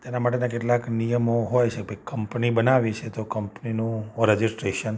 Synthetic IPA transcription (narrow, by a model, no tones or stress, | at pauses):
t̪enamaʈenakeʈlaknijəmoɦojt͡ʃʰebkəmpnibənaʋit͡ʃʰet̪okəmpninũɾəd͡ʒisʈɾeʃən